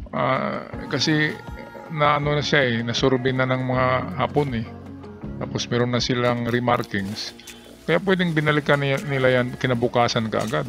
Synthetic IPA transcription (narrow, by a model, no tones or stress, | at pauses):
ʔa̰ːkɐsɛ | nɐʔɐnonɐʃaɛnɐsʊɾbɪnanɐŋmɐŋahaːponɛt̪aːpo̞smɛːɾonːɐsɪlaŋɾɪmaɾkɪŋs | kɐjaʔpwɛːd̪ɪŋbɪnɐlɪkannɪlajankɪnɐbʊkaːsankɐ̰ʔɐ̰ɡad̪̚